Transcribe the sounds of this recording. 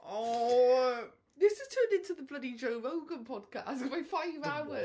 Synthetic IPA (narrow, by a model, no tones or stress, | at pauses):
ʔɔ | ðɪsɪz̥tʰɜːndɪ̃ntʰuðəblʌdid͡ʒoʊvoʊɡə̃npʰɒd̚kʰa̰tɡ̥baɪfaɪvaʊə